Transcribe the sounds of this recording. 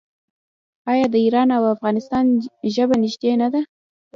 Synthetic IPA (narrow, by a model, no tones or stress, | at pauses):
ɑjɑd̪əiɾɑnawafɣɑnɪst̪ɑnʒəbanɪʒd̪enad̪a